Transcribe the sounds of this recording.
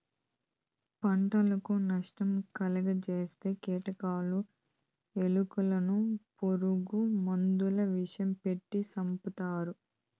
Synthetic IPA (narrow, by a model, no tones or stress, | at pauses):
pɐɳʈɐlɐkunɐʂʈɐmkɐlɐɡɐt͡ʃeːst̪e̞ːkeːʈɐkaːlu | e̞lukulɐnupo̞ɾuɡumond̪ulɐʋiʂɐjɐmpeʈːisɐmput̪aːɾu